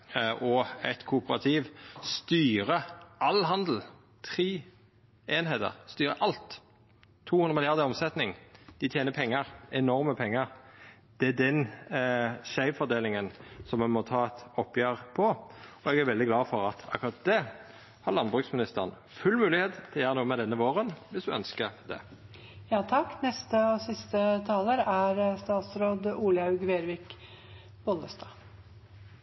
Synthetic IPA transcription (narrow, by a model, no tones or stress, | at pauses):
ʔɔɛ̰t̪kʰʊʊpəɾɑt̪ʰiːʋst̪yːɾəʔɑlɦɑnd̪l̩ | t̪ʰɾiː | eːnheːt̪ə̰ɾst̪yːɾəʔɑlt̪ʰː | uːhʉnʁəmɪlɪjɑʁd̪əɾɔmsɛt̪nɪŋd̪̥ɪt̪ʰjeːnəpʰɛŋːəʁɛnɔɾməpʰɛŋːəɾ | d̪̥ɛæd̪ɛn | ʃæɪʋfɔɾd̪eːlɪŋənsɔmɛnmɔt̪ʰɑːɛt̪ɔpːjeːʁpʰɔɔɛɡæɾʋɛld̪ɪɡlɑːfɔɾɑt̪ʰɑkʊɾɑt̪̚d̪ɛ | hɑɾlɑnbʁʉksmɪnɪst̪əʁən | fʉlmʉːlɪheːt̪t̪ʰːɪljæːʁənuːəmɛd̪ɛnːəʋoːʁənʋɪsd̪ʉœnskəɾd̪ɛ̰ | jɑːt̪ʰɑkːnɛst̪əɔsɪst̪ət̪ʰɑːləɾæɾst̪ɑːt̪sɾoːd̪uːljɑʉɡʋeːɾʋɪk | b̥ɔləst̪ɑː